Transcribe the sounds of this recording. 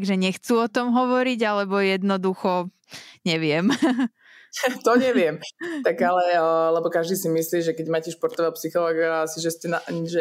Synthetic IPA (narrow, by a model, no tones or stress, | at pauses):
ɡʒɛɲɛxt͡suɔt̪ɔmɦɔʋɔɾiɟalɛbɔjɛd̪nɔd̪uxɔ | ɲɛʋɪɛm | t̪ɔɲɛʋɪɛmt̪aɡalɛlɛbɔkaʒd̪iːsimisliːʒɛkɛɟmaːcɛʃpɔɾt̪ɔʋapsixɔlɔːɡaasiʒɛscɛnaʒɛ